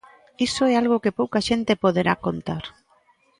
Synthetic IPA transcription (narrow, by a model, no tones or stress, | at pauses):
isoɛalɣ̞okepowkaʃent̪epoðeɾakont̪aɾ